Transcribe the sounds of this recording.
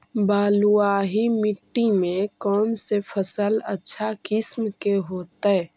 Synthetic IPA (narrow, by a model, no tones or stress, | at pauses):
baːluaːɦimɪʈːimẽkɔːnsepʰəsələ̰tːʃʰakɪsmkeɦoːt̪aɛ